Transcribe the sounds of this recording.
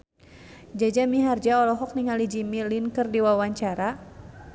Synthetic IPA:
d͡ʒad͡ʒamiɦard͡ʒaɔlɔɦɔk̚niŋalid͡ʒimilinkɨrdiwawaɲt͡ʃaɾa

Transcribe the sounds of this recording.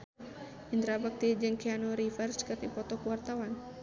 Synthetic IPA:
ind̪ɾabak̚t̪id͡ʒɨŋkianɔɾifərskət̪ipɔt̪ɔkuwart̪awan

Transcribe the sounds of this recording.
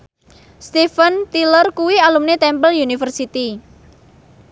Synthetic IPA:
st̪ifənt̪ilərkuwialumnet̪ɛmpəljunifərsit̪i

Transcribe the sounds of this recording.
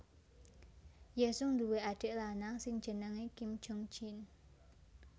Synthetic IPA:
jəsʊŋd̪uweʔaɖ̥e̤ʔlanaŋsɪŋ̥ʒ̥ə̤nəŋekim̥d͡ʒ̥ʊŋt͡ʃin

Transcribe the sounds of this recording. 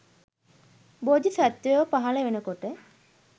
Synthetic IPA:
bod̪isæt̪ːujoʋpaɦɐləʋenəkoʈə

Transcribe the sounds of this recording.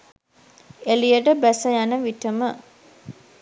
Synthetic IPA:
elijəʈəbæsəjanəʋiʈəmə

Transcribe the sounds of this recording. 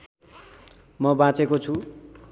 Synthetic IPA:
mʌbãt͡sekot͡sʰu

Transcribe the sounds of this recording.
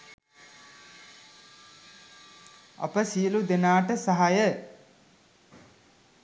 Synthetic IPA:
a̰pəsiəlud̪enaːʈəsaɦajə

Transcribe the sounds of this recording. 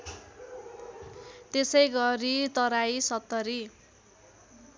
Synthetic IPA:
t̪esʌjɡʌɾit̪ʌɾajsʌt̪ːʌɾi

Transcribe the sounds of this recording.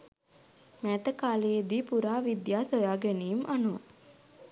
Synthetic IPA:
mæt̪əkaːlejed̪iːpuɾaːʋid̪jaːsojaːɡenijumʔanuʋa

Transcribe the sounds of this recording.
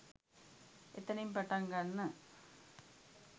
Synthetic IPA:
ɛt̪ːɐnɐjɯmpɐʈːaːŋɡaːnːɯ

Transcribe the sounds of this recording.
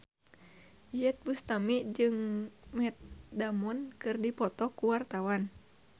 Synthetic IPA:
jɛt̪̚bust̪amid͡ʒɨŋmɛt̪̚damɔnkɨrdipɔt̪ɔkuwart̪awan

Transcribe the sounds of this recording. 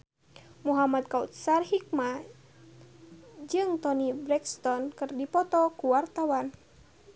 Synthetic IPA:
muɦamad̪̚kaut̪̚sarhik̚ma | d͡ʒɨŋt̪ɔnibɾɛkst̪ɔnkɨrdipɔt̪ɔkuwart̪awan

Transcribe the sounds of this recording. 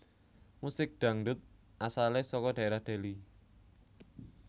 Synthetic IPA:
musɪk̚ɖ̪̥a̤ŋɖʊt̪̚ʔasalesɔkɔɖ̥a̤eɾahd̪̥e̤li

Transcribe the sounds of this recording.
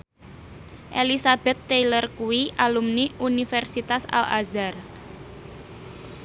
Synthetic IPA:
ʔelisab̥ɛt̪ːejlərkuwiʔalumniunifɛrsit̪asa̰la̰zar

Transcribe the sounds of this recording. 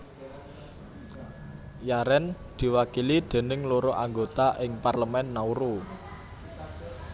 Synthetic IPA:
jaɾɛnd̪̥i̤wakilid̪̥e̤nɪŋloɾoʔaŋɡot̪aʔɪŋparləmɛnːauɾo

